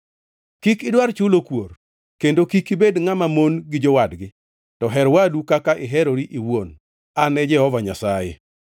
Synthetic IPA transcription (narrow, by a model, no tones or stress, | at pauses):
kikɪdwart͡ʃʊlokwor | kendokikibedŋamamonɡɪd͡ʒɔwadɡɪ | tɔɦɛɾwadukakaʔɪɦɛɾoɾiʔiwon | anɛd͡ʒɛhɔvaɲasajḛ